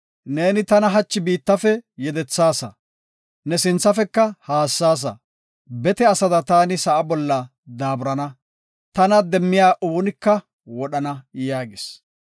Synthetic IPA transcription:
ne̞ːnɪt̪ɐnɐɦɐt͡ʃːɪbiːt̪ːɐfɛjɛd̪ɛt͡sːaːsɐ̰ | nɛsɪnt͡sːɐfɛkːɐhaːsːaːs̬ɐ̰ | bɛt̪ɛɐsɐd̪ɐt̪aːnɪsɐʔɐbɔlːɐ | d̪aːbɾɐnɐ | t̪ɐnɐd̪ɛmːɪjaːʔuːɔnɪkːɐ | wɔɗɐnɐjaːɡɪs

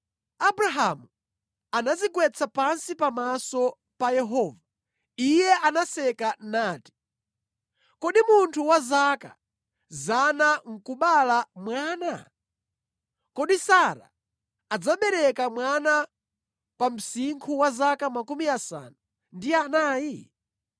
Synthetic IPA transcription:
abuɾaɦamu | anazikwɛt͡sʰapansipamasɔ | pajɛɦɔːva | ijɛʔanasɛkanaːti̥ | kɔɗimuntʰuwazaka̰ | zanaŋ̩kuɓalamwaːna | kɔɗisaɾa̰ | ad͡zaɓɛɾɛkamwana | pam̩siŋkʰuwazakamakumiasa̰na | ndianaːji

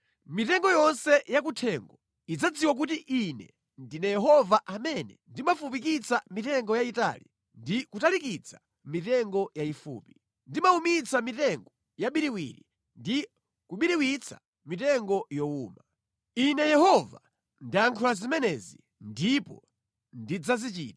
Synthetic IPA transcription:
mitɛŋɡɔjɔnsɛjak̬utʰɛŋɡɔ | id͡zad͡ziwak̬utiʔinɛ̰ | ndinɛjɛɦɔvaʔamɛnɛndimafup̬ikit͡samitɛŋɡɔjaita̰li | ndikutalikit͡sʰa | mitɛŋɡɔjaifṵːpi | ndimaumit͡samitɛŋɡɔ | jaɓiɾiwḭɾi | ndi | kuɓiɾiwit͡sʰḁ̰ | mitɛŋɡɔjɔuːma | inɛjɛhɔva̰ | ndiantʰulazimɛnɛzi | ndipɔ̰ | ndid͡zazit͡ʃḭːtḁ

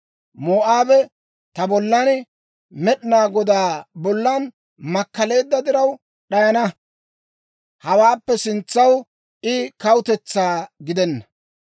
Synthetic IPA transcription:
moːʔaːbɛ | t̪ɐbɔlːɐn | mɛɗɪnaːɡɔd̪aːbɔlːɐn | mɐkːɐle̞ːd̪ːɐd̪ɪɾɐw | ɗɐjɐnɐ | hɐwaːpːɛsɪnt͡sːɐw | ʔɪkɐwʊt̪ɛt͡sːaːɡɪd̪ɛnːɐ

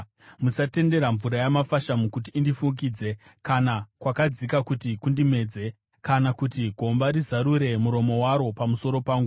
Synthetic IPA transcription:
musate̞nde̞ɾaɱvuɾajamafaʃamukut̬iːndifuk̬iːd͡ze̞ | kanakwakad͡zikakutikundime̞ːd͡ze̞ | kanakutiɡʱo̞mbaɾizaɾuɾe̞muɾo̞mo̞waɾo̞pamuso̞ɾo̞paːŋɡu

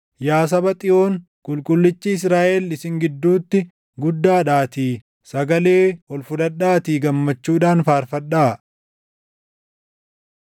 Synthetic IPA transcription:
jaːs̬ɐbɐt̪ʼɪʔo̞ːŋ | kʼʊlkʼʊlːɪt͡ʃːiɪs̬ɾaːʔelɪsɪŋɡɪd̪ːuːt̪ːɪ | ɡʊd̪ːaːᶑaːt̪iː | sɐɡɐle̞ːɔlfʊᶑ̪ɐᶑaːt̪iːɡɐmːɐt͡ʃːuːᶑaːnfaːɾfɐᶑaː

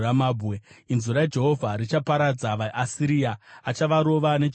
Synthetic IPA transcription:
amaːbʱeinzuɾajed͡ʒe̞ɦo̞vʱaɾit͡ʃapaɾad͡zaʋaʔasiɾiaat͡ʃaʋaɾo̞ʋane̞

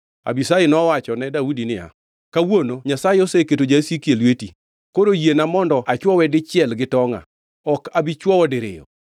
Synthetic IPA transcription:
a̰bisajɪnɔwat͡ʃɔnɛdaudinɪa̰ | kawonoɲasajɪɔseketod͡ʒasekjelweti | koɾojienamɔndɔʔat͡ʃwɔwɛdɪt͡ʃɪɛlɡɪtɔŋa̰ | ɔkabɪt͡ʃwɔwɔdɪɾɪ̰jɔ̰

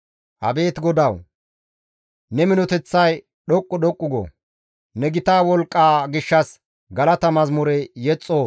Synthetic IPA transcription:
ʔɐ̰be̞ːt̪ɡɔd̪ɐw | nɛmɪnɔt̪ɛt͡sːɐj | ɗɔkʼːʊɗɔkʼːʊɡɔ̰ | nɛɡɪt̪aːwɔlkʼːaːɡɪʃːɐs | ɡɐlɐt̪ɐmɐzmʊɾɛjɛt͡sʼːoː

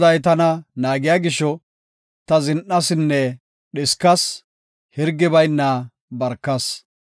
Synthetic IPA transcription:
d̪ɐjt̪̬ɐnɐnaːɡɪjaːɡɪʃɔ | t̪ɐzɪnʔɐsɪnːɛ | ɗɪskɐs | hɪɾɡːɪbɐjnːɐ | bɐɾkːɐs

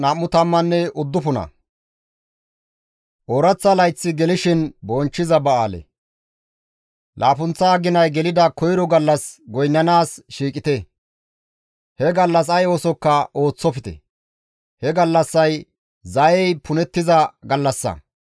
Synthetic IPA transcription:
nɐmːʊt̪ɐmːɐnːɛʔʊd̪ːʊpʊnɐ̰ | ʔoɾɐt͡sːɐlɐjt͡sːɪɡɛlɪʃɪnbɔnt͡ʃːɪzɐbɐaːlɛ̰ | lʔaːpʊnt͡sːɐːɡɪnɐjɡɛlɪd̪ɐkɔjɾɔɡɐlːɐsɡɔjnːɐnaːsʃiːkʼɪt̪ɛ | hɛɡɐlːɐs̬ɐjoːsɔkːɐʔo̞ːt͡sːɔpɪt̪ɛ̰ | hɛɡɐlːɐsːɐj | zɐɛjpʰʊnɛt̪ːɪzɐɡɐlːɐsːɐ̰

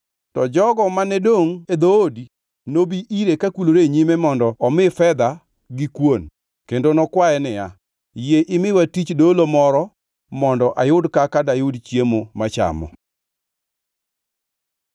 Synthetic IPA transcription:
tɔd͡ʒɔɡɔmanɛdoŋed̪oodi | nobiʔiɾekakuloɾeɲimemɔndɔɔmɪfɛd̪a | ɡɪkwon | kendonɔkwaɛnɪja | jeʔɪmɪwatit͡ʃdolomɔɾɔ | mɔndɔʔajʊdkakadajʊdt͡ʃjemomat͡ʃa̰mɔ̰

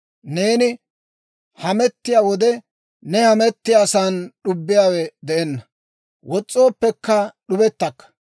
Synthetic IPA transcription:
ne̞ːnɪ | hɐmɛt̪ːɪjaːwɔd̪ɛ | nɛhɐmɛt̪ːɪjaːsaːnɗʊbːɪjaːwɛd̪ɛɛnːɐ | wɔt͡sʼːo̞ːpːɛkːɐɗʊbɛt̪ːɐkːɐ̥

